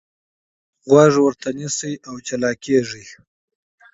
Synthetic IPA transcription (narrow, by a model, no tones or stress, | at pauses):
ɣwaʐwəɾt̪ʰanisəjʔawt͡ʃalɑkeʐi